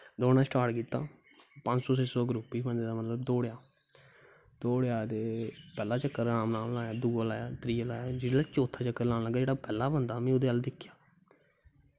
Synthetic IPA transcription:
d̪oːnãːsʈaːʈkiːt̪aː | pə̃ɲd͡ʒsɔːseːsoːɡɾuːpːiːbənd̪eːd̪aːmət̪ləbd̪oːɽjaː | d̪̥oːɽjaːt̪eːpɛːlaːt͡ʃəkːəɾnaːmlaːmlaːjaːd̪uːəlaːjaːt̪ɾiːəlaːjaːd͡ʒeːaːt͡ʃoːt̪ʰːaːt͡ʃəkːəɾlaːnːləɡaːd͡ʒeːɽaːpɛːlːaːbənd̪aːmɛ̃ːʊd̪eːald̪ɪkʰːjaː

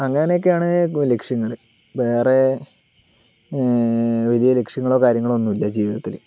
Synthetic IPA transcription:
ɐŋːɐnejok̬ːeaːɳɨlekʂjɐŋːɐɭɨ | ʋe̞ːre | ʋɐlijɐlekʂjɐŋːɐɭo̞ːkaːɾjɐŋːɐɭo̞nːumilːɐd͡ʑiːʋiðɐt̪ːil

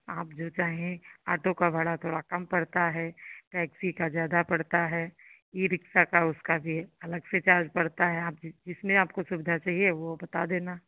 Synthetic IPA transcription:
aːpd͡ʒoːt͡ʃaːɦẽa̰ːʈokabʱɐɽat̪ʰoːɽakɐmpɐɽt̪aɦɛːʈɛːksikazjaːd̪apɐɽt̪aɦɛː | iɾɪksakaʊskabʱiɦɛɐləɡset͡ʃaːɾd͡ʒpɐɽt̪aɦɛaːp̚d͡ʒd͡ʒɪsmẽaːp̚kosʊbɪd̪ʱat͡ʃaːɦieʋobɐt̪ad̪eːna

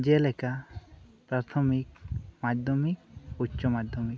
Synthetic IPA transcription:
d͡ʒelɛka | pɾat̪ʰomikmad̪ʱomikutːʃɔmad̪ʱːɔmik

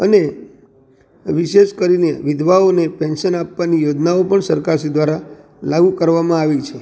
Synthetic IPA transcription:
əne | ʋiʃeʃkəɾineʋɪd̪ʋaonepɛnʃənapʋanijod͡ʒnaopəɳsəɾkaɾʃid̪ʋaɾa | laɡukəɾʋamãaʋit͡ʃʰe

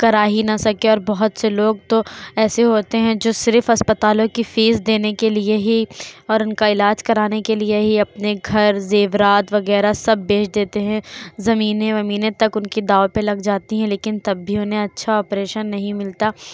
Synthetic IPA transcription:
kɐɾaːɦinɐsɐkeɔːɾbɐɦʊt̪seloːɡ̚t̪oɛːseɦoːt̪eɦɛ̃d͡ʒoːsɪɾfɐspɐt̪aːlõkifiːzd̪eːnekelieɦiɔːɾʊnkaɪlaːd͡ʒkɐɾaːnekelieɦiɐpneɡʱɐɾzeːʋɾaːt̪ʋɐɣɛːɾasɐbːeːʃd̪eːt̪eɦɛ̃zɐmiːnẽʋɐmiːnẽt̪ɐkʊnkid̪aːopelɐɡd͡ʒaːt̪iɦɛ̃leːkɪnt̪ɐbːʱiʊnɦẽɐtːʃʰaɔːpɾeːʃənːɐɦĩmɪlt̪aː

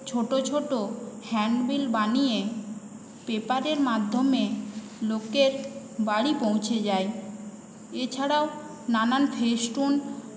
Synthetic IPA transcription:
t͡ɕʰoʈot͡ɕʰoʈohɛɳɖbilbanije | pepaɾeɾmad̪ʱːome | lokeɾ | baɽipõw̃t͡ɕʰed͡ʑae | et͡ɕʰaɽao | nananfʰesʈun

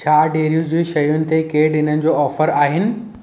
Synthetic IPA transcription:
t͡ɕʰaːɖeːɾijud͡ʑeːʃɐjʊnɪ̆t̪ekeːɗɪnənɪ̆d͡ʑoːɔːfəɾaːɦɪnɪ̆

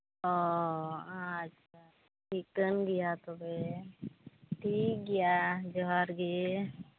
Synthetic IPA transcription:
o | ãətːʃʰa | ʈʰiːk̚ːənɡijat̪obe | ʈʰiːk̚ɡijad͡ʒɔɦaɾɡe

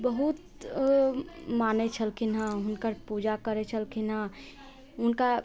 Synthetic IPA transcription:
bəɦut̪ | maːnet͡ʃʰəlkʰinɦãɦʊnkəɾpuːd͡ʒakəɾet͡ʃʰəlkʰina | ʊnka

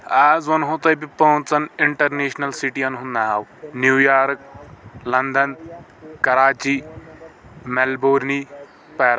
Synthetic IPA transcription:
aːzʋɐnɦõt̪ɐbipɐʊ̃t͡sɐnɪɳʈɐɾneːʃnɐlsiʈiːɐnɦunːaɦaːwnjuːjaːɾk̚lɐnd̪ɐn | kɐɾaːt͡ʃiː | mɛlboːɾni | pɛːɾ

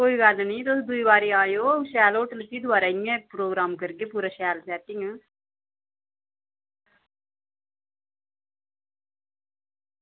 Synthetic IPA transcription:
koːiːɡaːd̪anĩːt̪ʊsd̪ʊiːbaːɾeːaːjoːʃɛːloːʈlək̪ːiːd̪ʊʋaːɾaːɪjẽːpɾoːɡɾaːmkəɾɡeːpuːɾaːʃɛːlsɛːʈɪŋɡ

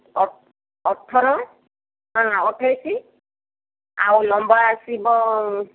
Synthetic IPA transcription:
ɔ | ɔtʰːɔɾɔ | ãɔtʰːajsi | a̰wnɔmbɔɹasibɔ

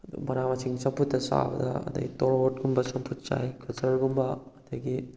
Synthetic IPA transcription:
ɐdṵmɐnamɐsʰiŋsɐmpʰut̚ːɐsa̰bɐ̰dɐɐ̰dɐ̰ɡitɔɾot̚ɡumbɐsɐmpʰut̚t͡ʃa̰jkʰɐsɐɾɡumbɐɐdɐɡi

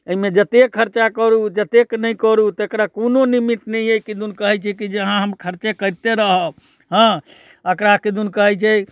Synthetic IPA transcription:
əimed͡ʒət̪ekʰːəɾt͡ʃakəɾud͡ʒət̪eknəjkəɾut̪ekɾakononimiʈnəjejkid̪unkəɦɛt͡ʃʰɛkid͡ʒeɦãɦəmkʰəɾt͡ʃekəɾt̪eɾəɦə | ɦə̃ | əkɾakid̪unkəɦɛt͡ʃʰɛ

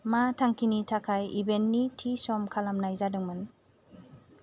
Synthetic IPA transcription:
matʰaŋkʰinitʰakʰajibenːitʰisɔmkʰalamnajzadɯŋmɯn

